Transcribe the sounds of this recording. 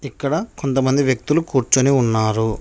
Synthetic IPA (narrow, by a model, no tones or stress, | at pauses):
ikːɐɽɐko̞nt̪ɐmɐnd̪iʋjɐk̚t̪ulukuːɾt͡ʃɐniunːaːɾu